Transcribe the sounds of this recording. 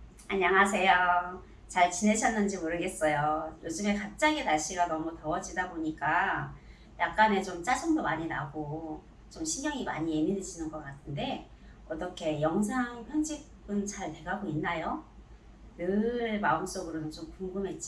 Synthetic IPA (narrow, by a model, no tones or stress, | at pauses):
aɲaŋas̬ʰe̞jo | t͡ɕaɭt͡ɕine̞ɕʰʌnːɯnd͡ʑimoɾɯɡe̞s͈ʌjojod͡ʑɯme̞kap̚t͡ɕ͈aɡetaɭɕ͈iɡanʌmutʌʌd͡ʑidaboɲik͈a | jak̚k͈ane̞t͡ɕomt͡ɕ͈ad͡ʑʌŋdomaɲina̰ɡo | t͡ɕomɕʰinjʌŋima̰ɲije̞mineɕʰinɯnɡʌk͈atʰɯnde̞ | ʌt͈ʌkʰe̞jʌŋs̬ʰaŋpjʌnd͡ʑʰik͈̚ | ɯnt͡ɕaɭte̞ɡaɡoinːajo | nɯɭma̰ɯms͈ʌɡɯɾoot͡ɕomkuŋɡɯmɦe̞t̚t͡ɕ͈i